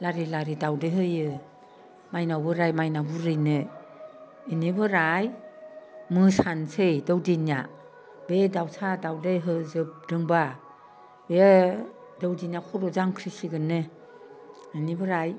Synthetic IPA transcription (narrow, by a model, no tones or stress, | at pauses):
laɾilaɾidawdejɦɯjɯ | majnawbɯɾajmajnabɯɾɯjnɯ | inibɯɾaj | mɯsansejdɔwdinija̰ | bedawsʰadawdejɦɯzɯp̚dɯŋba | be | dɔwdinjakʰɔɾɔzaŋkʰɾisiɡɯnɯ | inibɯɾaj